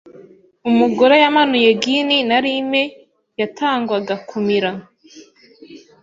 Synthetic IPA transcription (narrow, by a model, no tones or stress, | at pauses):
umuɡoɾejamanujeɡininaɾime | jatʰaːŋɡwaɡakʰumiɾa